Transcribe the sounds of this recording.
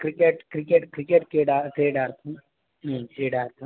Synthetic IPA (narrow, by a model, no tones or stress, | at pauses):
kɾikeːʈkɾikeːʈkɾikeːʈkeːɖaʈɾeːɖaːɾt̪ʰũ | ɦʈɾeːɖaːɾt̪ʰũ